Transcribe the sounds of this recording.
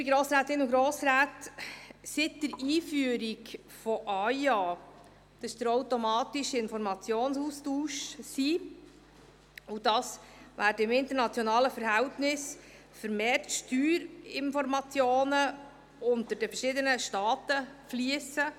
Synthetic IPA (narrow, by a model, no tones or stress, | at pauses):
biɡɾoːsɾaːt̪ɪnʊɡɾoːsɾæːt | sɪt̚d̥əɾiːfyəɾɪk | fɔʔɑjɑ | d̥ɑsd̥̪əɾɔwtɔmɑːtɪʃəɪnfɔɾmɑt͡sjoːnsuːstuːʃsiː | ʊdɑsʋæːdəɪmɪnt̪əɾnɑt͡sjɔnɑːləfəɾhɛwtnɪs | fəɾmeːrtʃtyːɾɪnfɔɾmɑt͡sjoːnə | ʊnt̪əɾd̥əfərʃɪdənəʃtɑːt̪əfliəsə